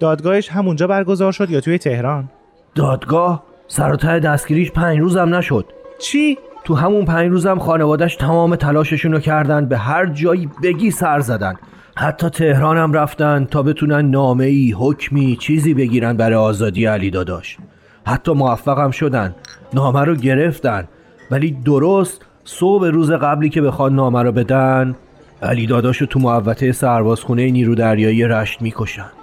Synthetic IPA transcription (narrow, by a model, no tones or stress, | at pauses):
d̪̥ɒːd̪ɡɒːheʃɦæmund͡ʒɒːbæɾɡo̞zɒːɾʃo̞d̪jɒːt̪ʰuːjet̪ʰe̞hɾɒn | d̪̥ɒːd̪ɡɒːh | sæɾot̪ʰæɾed̪æst̪ɟʲiːɾiːʃpʰæɲɾuːzæmnæʃo̞d̪̥t͡ʃʰiːt̪ʰuɦæmunpʰæɲɾuːzæmxɒːnevɒːd̪æʃt̪ʰæmɒːmet̪ʰælɒːʃe̞ʃuːnocʰæɾd̪ænd̪̚be̞ɦæɾd͡ʒɒːjiːbe̞ɟiːsæɾzæd̪ænd̪̥ | hæt̪ʰːɒːt̪ʰe̞hɾɒːnæmræft̪ænd̪t̪ʰɒːbe̞t̪ʰuːnænːɒːme̞iːɦocʰmiːt͡ʃʰiːziːbe̞ɟiːɾænd̪bæɾɒjɒːzɒːd̪iːjeæliːd̪ɒːd̪ɒ̰ːʃ | hæt̪ʰːɒːmo̞æfːæɣæmʃo̞d̪ænd̪nɒːmæɾɒːɟe̞ɾe̞ft̪ænd̪̥ | væliːd̪o̞ɾost̪ | sobe̞ɾuːze̞ɣæbliːcʰe̞be̞xɒːnːɒːmæɾɔːbe̞d̪æn | æ̰liːd̪ɒːd̪ɒːʃot̪ʰumoævːæt̪ʰe̞jesæɾbɒːz̥xune̞jeniːɾud̪æɾjɒːijeɾæʃt̪miːkʰo̞ʃænd̪̥